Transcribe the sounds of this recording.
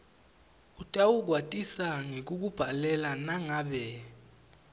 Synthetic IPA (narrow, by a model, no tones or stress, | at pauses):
utʼawuk̬watʼisaŋek̬ʼuk̬ub̥ʱalɛlanaŋaːɓɛ